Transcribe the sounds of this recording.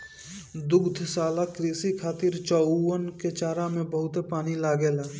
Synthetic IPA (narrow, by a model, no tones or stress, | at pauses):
d̪ʊɡd̪ʱsaːlakɾiːsikʰaːt̪iɾt͡ʃɔːənket͡ʃaːɾamẽbəɦʊt̪epaːnilaːɡeːlaː